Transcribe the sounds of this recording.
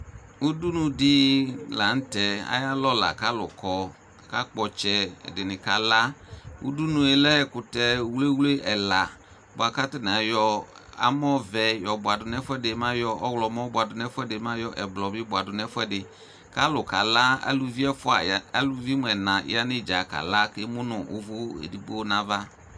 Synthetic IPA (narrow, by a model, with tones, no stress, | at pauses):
u˦du˦nũ˨dɪ˦la˨n̩˦tɛ˨a̰˦ja˦lɔ˦la̰˨ka˦lʊ̰˨kɔ˨ | ka˦k͡pɔ˨t͡ʃɛ˨dɪ˨nɪ˨ka˨la˦ṵ˦du˦nũ˨ɛ˨lɛ˦˨kʊ˨tɛ˨wle˦wle˦ʔɛ˨la˨ | bʊ˨a˨ka˦tɪ˦n˨a˨jɔ˧ | a̰˦m˦ɔ˦vɛ˨jɔ˨bʊ˨a˨dʊ˨n˦ɛ˦fʊ˦ɛ˦dɪ˨˦mã˦jɔ˦ʔɔ˦wlɔ˨mɔ̃˦bʊ˨a˨dʊ˨n˦ɛ˦fɛ˦dɪ˨˦mã˦jɔ˦ʔɛ˨blɔ˨bɪ˦ba˨dʊ˨n˨ɛ˦fʊ˦ɛ˦dɪ˨ | ka˦lʊ˨ka˨la˦a̰˦lu˨vi˦ɛ˦fʊ˦a̰˨a˦lu˨vi˦m˨ɛ˨nã˨ɪ̰˨˦a˦nɪ˦˨d͡ʒa˨ka̰˨la˦kɪ˦mʊ˦nʊ˨ʔʊ̰˦vʊ˦ḛ˨di˨k͡po˦nã˦va˦